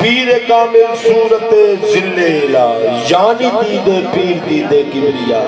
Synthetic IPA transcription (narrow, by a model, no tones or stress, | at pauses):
piːɾeːkaːmeksuːɾət̪ːeːzɪlːeeːlaːjaːniːt̪iːd̪eːpiːɾd̪iːd̪eːkiɾija̰ː